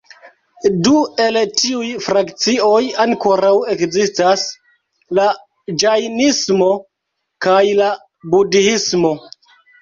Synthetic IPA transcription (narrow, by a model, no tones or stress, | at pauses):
due̞ltiujfɾakt͡sio̞jaŋko̞ɾawe̞kzistas | la | d͡ʒajnismo̞ | kajla | budismo̞